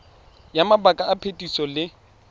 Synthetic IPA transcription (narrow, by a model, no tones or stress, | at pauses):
jamabakʼaːpʰetʼisɔlɪ